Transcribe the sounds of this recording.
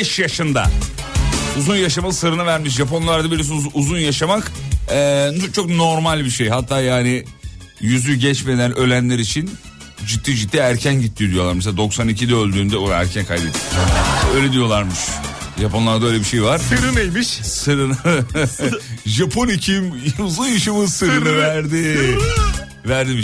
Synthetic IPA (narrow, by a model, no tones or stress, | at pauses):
bɛʃjaʃɯnd̪a̰ | uzunjaʃamalˠɯsɯɾɯnavæɾmiʃ̬ʒapʰo̞nlˠaɾd̪abiɾis̬ːzunjaʃamakɛːt͡ʃʰo̞kno̞ɾmalʲbiʃejɦat̪ʰːaːjaːnɪ | jyzʲyɟɛt͡ʃme̞d̪ænø̞lʲænlʲeɾit͡ʃʰin | d͡ʒit̪ʰːiːd͡ʒit̪ːiæɾcʰænɟit̪ʰːijod̪ijo̞lˠaɾmes̬ead̪o̞ksanicʰid̪ɛølʲd̪yːnd̪ɛoɾæ̰ɾcʰænkʰajd̪et̪ʰijø̞jlʲed̪ijo̞lˠaɾmɯʃ | ʒapo̞nlˠaɾd̪aølʲebiʃejvaɾ̥sɾɯnejmiʃsɯɾɯn | ʒapʰo̞nicʰimuzunjɯʃɯmɯsɯɾɯɯvæɾd̪ɪ | væɾd̪ibi